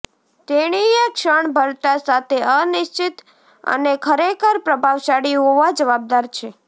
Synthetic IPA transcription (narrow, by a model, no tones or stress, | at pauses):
t̪eɽ̃ijəkʃəɳbʱəɾt̪asat̪ʰeʔənɪʃt͡ʃit̪ | ə̰nekʰəɾekʰəɾpɾəbʱaʋʃaɽiɦoʋad͡ʒəʋab̚d̪aɾt͡ʃʰe